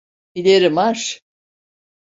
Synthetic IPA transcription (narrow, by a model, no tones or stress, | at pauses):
ilʲeɾimaɾ